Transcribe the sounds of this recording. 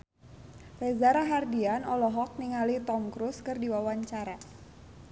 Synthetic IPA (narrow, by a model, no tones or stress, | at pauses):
rɛzaɾaɦardianɔlɔɦɔk̚niŋalit̪ɔmkɾuskɨrdiwawaɲt͡ʃaɾa